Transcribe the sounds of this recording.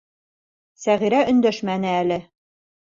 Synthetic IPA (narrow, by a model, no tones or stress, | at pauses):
sæʁiɾæʔɵ̆nd̪æʃmænɘælɘ